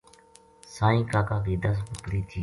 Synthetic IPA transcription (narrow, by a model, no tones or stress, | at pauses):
sãːĩːkaːkaːkiːd̪aːs̬bʊkɽiːt̪ʰiː